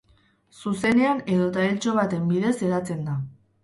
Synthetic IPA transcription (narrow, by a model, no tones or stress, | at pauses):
suse̞ne̞ane̞ðo̞t̪ailt͡so̞β̞at̪e̞mbiðe̞se̞ɾat͡se̞nd̪a